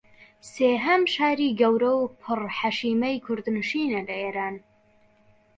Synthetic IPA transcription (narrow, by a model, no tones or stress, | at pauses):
seːɦɐmʃaːɾiːɡɐwɾɐwpʰɨrħaʃiːmɐjkʰʊɾd̪nɨʃiːnɐlɐeːɾaːn